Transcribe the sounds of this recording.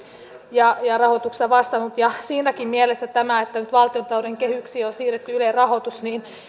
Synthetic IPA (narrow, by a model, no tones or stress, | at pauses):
jɑjɑrɑhot̪ukst̪ɑʋɑst̪ɑnut̪jɑsiːnækimmielest̪æt̪æmæet̪ːænyt̪ʋɑlt̪iont̪ɑloɾeŋkehyksiːonsiːret̪ːyylerɑhot̪usniːn